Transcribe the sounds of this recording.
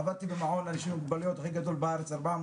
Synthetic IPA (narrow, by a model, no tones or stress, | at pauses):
abad̪̚t̪ibemaʕolalʃiuɡbaljot̪axiɡad̪o̞lbeaɾet͡saɾbaʕa